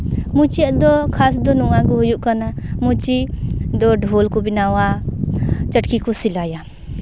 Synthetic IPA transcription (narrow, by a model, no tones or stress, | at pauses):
mut͡ʃijaʔd̪ɔkʰas̬d̪ɔnuŋaɡuɦujuʔkanamut͡ʃid̪ɔɖʱolkubinawa | t͡ʃəʈkʰikʰɔsilaja